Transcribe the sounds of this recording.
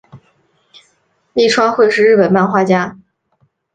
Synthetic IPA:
li˥˩ʈ͡ʂʰwɑ˥ŋxwe˥˧ɪʂɻ̩˥˧ɻ̩˥˩pə˨˩nma˥˧nxwa˥˩t͡ɕja˥

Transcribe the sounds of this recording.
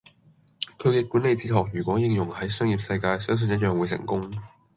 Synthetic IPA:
kʰɵ˨˧ɥkɛː˧kuː˨˥nle˨jt͡siː˧t̪ʰɔː˨˩k̚jyː˨˩kʷwɔː˨˥jɪ˨˧ŋjʊ˨˩ŋhɐ˨˥jsœː˥ŋjiː˨˩p̚sɐ˧jkaː˧jsœː˥ŋs̬ɵ˨njɐ˥t̚jœː˨ŋwuː˨˧jsɪ̰˨˩ŋkʊ˥ŋ

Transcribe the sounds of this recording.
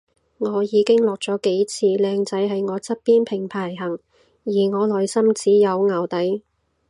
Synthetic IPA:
ŋɔː˨˧jiː˨˧kɪ˥ŋlɔː˨k̚t͡sɔː˨˥ke˨˥jt͡sʰiː˧lɛː˧ŋt͡sɐ˨˥jɦɐ˨jŋɔː˨˧t͡sʰɐ˥t̚piː˥npʰɪ˨˩ŋpʰaː˨˩jɦɐ˨˩ŋ | jiː˨˩ŋɔː˨˧lɔː˨jsɐ˥mt͡siː˨˥jɐ˨˧wŋaː˨˩wt̪ɐ˨˥j

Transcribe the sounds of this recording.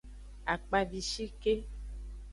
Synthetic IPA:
a˨k͡pa˨vi˨ʃi˦ke˦

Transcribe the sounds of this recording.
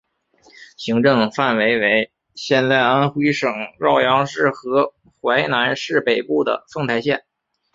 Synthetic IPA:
ɕi˧˥ŋʈ͡ʂɤ˥˧ŋfa˥˩nwe˧˥ɪwe˧˥ɪ | ɕjɛ˥˧nt͡sa˥˩ɪa˥nxwi˥ʂɤ˨˩ŋɻɑ˥˩ʊjɑ˧˥ŋʂɻ̩˥˩xɤ˧˥ | xwa˧˥ɪna˧˥nʂɻ̩˥˩pe˨˩ɪpu˥˩d̪ə̰˩fɤ˥˧ŋt̪ʰa˥˧ɪɕjɛ˥˩n

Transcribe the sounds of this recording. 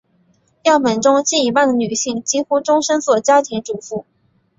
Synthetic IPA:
jɑ˥˩ʊpə˨˩nʈ͡ʂʊ˥ŋt͡ɕi˥˩ni˧˥pa˥˩nd̪ə˩ny˨˩ɕi˥˩ŋt͡ɕi˥xu˥ʈ͡ʂʊ˥ŋʂə˥nswɔ˨˩t͡ɕja˥t̪ʰi˧˥ŋʈ͡ʂu˨˩fu˥˩

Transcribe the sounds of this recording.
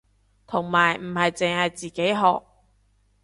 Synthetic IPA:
t̪ʰʊ˨˩ŋmaː˨˩jm̩˨˩hɐ˨jt͡sɪ˨ŋhɐ˨jt͡siː˨ke˨˥jɦɔ̰ː˨k̚

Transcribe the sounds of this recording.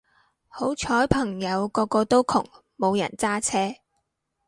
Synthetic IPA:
ho˨˥wt͡ʃʰɔː˨˥jpʰɐ˨˩ŋjɐ˨˧wkɔː˧kːɔː˧t̪o˥wkʰʊ̰˨˩ŋ | mo˨˧wjɐ̰˨˩nt͡saː˥t͡sʰɛː˥

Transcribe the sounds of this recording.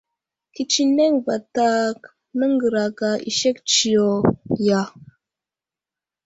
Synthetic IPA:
ki˨t͡ʃi˦ne˦ŋva˨ta˦k | nə˦ŋɡə˨ɾa˨ɡa˨ʔḭ˨ʃe˦kt͡ʃi˨jo˨ja˨

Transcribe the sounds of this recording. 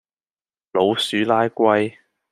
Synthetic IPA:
lo˨˧wsyː˨˥laː˥jkʷɐ˧j

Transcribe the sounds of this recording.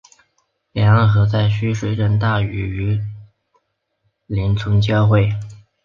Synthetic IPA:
ljɑ˧˥ŋa˥˩xɤ˧˥t͡sa˥˩ɪɕy˥ʂ̩˥˧˥ʈ͡ʂə˥˧nt̪a˥˩y˧˥y˧˥ | li˧˥nt͡sʰʊ˧˥ŋt͡ɕjɑ˥˧ʊxwe˥˩ɪ

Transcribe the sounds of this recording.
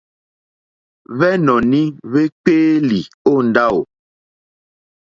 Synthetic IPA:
βɛ˦nɔ˨ni˦βe˦k͡peː˦li˨ | o˦˨n˨da˦o˨

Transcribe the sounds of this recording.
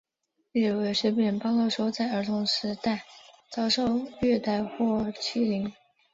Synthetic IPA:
ɛ˥˩we˧˥ɪʂɛ˧˥pjɛ˧˩npɑ˥ŋkʊʂo˥ʊt͡sa˥˩ɪə˞˧˥t̪ʰʊ˧˥ŋʂɻ̩˧˥t̪a˥˩ɪt͡sɑ˥ʊʂo˥˧ʊɥɛ˥˧t̪a˥˧ɪxwɔ˥˩t͡ɕʰi˥˩li˧˥ŋ

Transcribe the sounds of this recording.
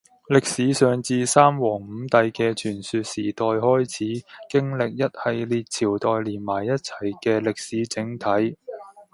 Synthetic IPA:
lɪ˨k̚siː˨˥sœː˨ŋt͡siː˧saː˥mwɔː˨˩ŋm̩˨˧˥t̪ɐ˨jkɛː˧t͡ʃʰyː˨˩nsyː˨t̚siː˨˩t̪ɔː˨jhɔː˥jt͡sʰiː˨˥kɪ˥ŋlɪ˨k̚jɐ˥t̚hɐ˨jliː˨t̚t͡sʰiː˨˩wt̪ɔː˨jliː˨˩nmaː˨˩jːɐ˥t̚t͡sʰɐ̥˨˩jkɛː˧lɪ˨k̚siː˨˥t͡sɪ˨˥ŋt̪ʰɐ˨˥j

